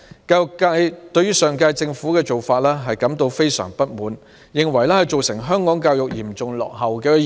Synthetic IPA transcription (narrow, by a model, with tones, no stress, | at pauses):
kaː˧jʊ˨kːaː˧jt̪ɵ˧ɥyː˥sœː˨ŋkaː˧jt͡sɪ˧ŋfu˨˥kɛː˧t͡ʃo˨wfaː˧t̚lɛː˥ɦɐ˨jkɐ˨˥mt̪o˧wfe˥jsœ̰ː˨˩ŋpɐ˥t̚muː˨˧n | jɪ˨ŋwɐ˨˩jlɛː˥hɐ˨jt͡ʃo˨wsɪ˨˩ŋɦœː˥ŋkɔː˨˥ŋkaː˧wjʊ˨k̚jiː˨˩mt͡sʊ˨ŋlɔ̰ː˨k̚ɦɐ˨wkɛː˧